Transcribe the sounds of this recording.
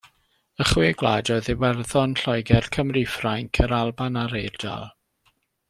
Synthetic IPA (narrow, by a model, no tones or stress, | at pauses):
əχwɪːɡlˠaːdɔɨðiwɛrðɔnɬɔjɡɛrkʰəmrifraŋkʰəɾalˠbanaɾejrd̥a̰lˠ